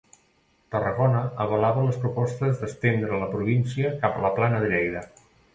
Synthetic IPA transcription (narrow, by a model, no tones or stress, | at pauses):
t̪ərəɣonəəβəlaβələspɾupɔst̪əzðəst̪end̪ɾələpɾuβinsiəkapələplanəðɾɛjðə